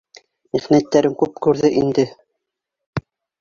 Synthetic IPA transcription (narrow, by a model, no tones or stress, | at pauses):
miχnæt̪ːæɾɘŋkʉp̚kʉɾðɘʔind̪ɘ